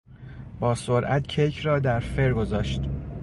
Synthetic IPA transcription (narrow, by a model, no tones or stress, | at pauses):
b̥ɒːsoɾʔæ̰t̪cʰejcʰrɒːd̪æɾfeɾɡo̞zɒːʃt̪